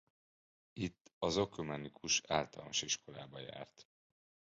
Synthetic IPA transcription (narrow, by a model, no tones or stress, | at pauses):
it̪ːɒzokømɛnikʰuʃaːlt̪ɒ̰lnoʃiʃkʰo̞laːbɒja̰ːrt̪